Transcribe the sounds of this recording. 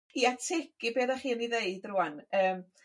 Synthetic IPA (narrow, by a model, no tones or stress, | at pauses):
iatʰekɨbeːðaχiːniðeɨdrʊanəːm